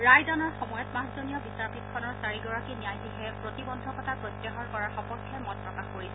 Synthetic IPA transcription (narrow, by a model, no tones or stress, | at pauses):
ɹajdɔnɔɹxɔmɔjɔtmãszoniɔbisaɹpit̚kʰːɔnɔɹsaɹiɡɔɹakinijajtiɦɛpɹotibɔndʱɔkɔtʰapɹɔtjɛɦɔɹkɔɹaɹxɔpɔtʰːɛmɔt̚pɹɔkaxkoɹisɛ